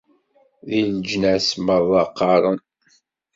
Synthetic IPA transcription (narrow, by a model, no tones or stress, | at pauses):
ðild͡ʒnæsməɾˤðɑqːɑɾˤən